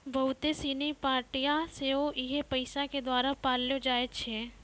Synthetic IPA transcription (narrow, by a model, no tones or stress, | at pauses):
ʋɐwt̪esiːnipaːɾʈijaseoʔɪɦepɐɪsaked̪waːɾapaːljod͡ʒaːet͡ʃʰe